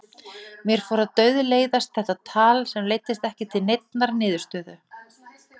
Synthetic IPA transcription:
mjɛɾ̥foːɾaðt̪œːɥðʏleːjðast̪̚θɛht̪at̪ʰaːlsɛmleːjt̪ɪst̪ɛhcɪt̪ʰɪlnejt̪̚naɾnɪːðʏɾ̥st̪œːðʏ

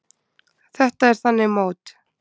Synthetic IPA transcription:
θɛht̪aɛɾ̥θanːɪmoːwt̪

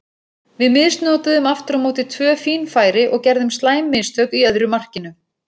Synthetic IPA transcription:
vɪðmɪðst̪nɔːt̪aðʏmaft̪ɾamoːwt̪ɪt̪ʰvœːfiːnfaːjɾɪʔɔɣcɛɾðʏmst̪laːjmːɪðst̪œːkiœðɾʏmar̥cɪnʏ

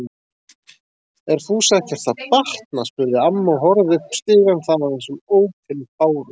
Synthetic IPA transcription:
ɛɾ̥θusɛhcɛɾ̥t̪θʰaðpaht̪naspʏɾðɪamːaɦɔɾðʏpst̪ɪːɣanθanaɛnsʏmoːwpʰɪnpaːwɾʏ

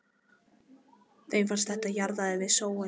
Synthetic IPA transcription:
θejnfanst̪θɛht̪ajaɾðaðɪvɪðsoːwa

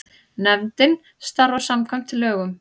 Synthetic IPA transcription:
nɛvnt̪ɪn | st̪aɾɔwsamkʰam̥t̪ʰɪlːœːɣʏm

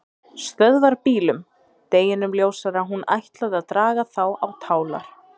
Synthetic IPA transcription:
st̪œðvaɾpiːlʏm | t̪eːjɪnʏmljoːwsaɾaɦuna̰jht̪laðaðt̪ɾaːɣaθawawt̪ʰaːwla̰ɾ̥

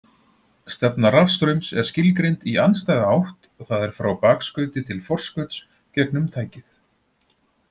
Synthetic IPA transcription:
st̪ɛpnarafst̪ɾœɥmsɛɾ̥scɪlkɾejnt̪ianst̪ajðaawht̪ | θaðɛɾ̥fɾawpaːkskœːɥt̪ɪt̪ʰɪlfɔr̥skœt̪s | cɛknʏmt̪ʰaːjcɪθ

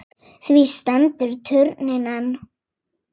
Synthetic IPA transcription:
θvist̪ant̪ʏɾt̪ʰʏɾnɪnan

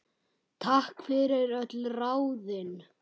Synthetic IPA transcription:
t̪ʰahkfɪɾɪɾœt̪lraːwðɪn

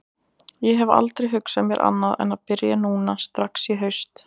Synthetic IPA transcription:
jɛɦɛva̰lt̪ɾejɦʏksamjɛɾʔa̰nːaðɛ̰naðpɪɾjanuːnast̪ɾaksiɦœɥst̪

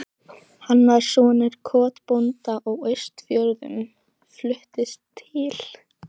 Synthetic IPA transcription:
hanːað̥sɔːnɪɾ̥kʰɔːt̪pɔnt̪aʔɔɣœɥst̪fjœɾðʏ̰n | flʏht̪ɪst̪ʰːɪl̥

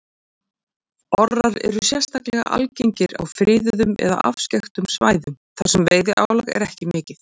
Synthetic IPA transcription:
ɔraɾɛ̰ɾʏsjɛ̥st̪aklɛɣa̰ʔa̰lcejɲcɪɾa̰wfɾɪːðʏðʏmɛ̰ða̰ʔafscɛxt̪ʏmsvaːjðʏmθasɛmveːjðɪʔa̰ːwlaɣɛ̰ɾɛhcɪmɪːcɪθ

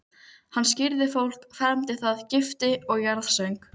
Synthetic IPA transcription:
hanːscɪɾðɪfowl̥kfɛɾmt̪ɪθaðcɪft̪ɪɔɣjaɾðsœɥŋk

